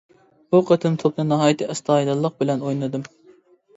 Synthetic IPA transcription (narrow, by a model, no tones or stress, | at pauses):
buqʰət̪ʰɨmt̪ʰop̚nɨnɑɦɑːjit̪ʰɨʔɛst̪ʰɑːid̪ɑlˠːəq̚bɪlɛnojnɨd̪ɨm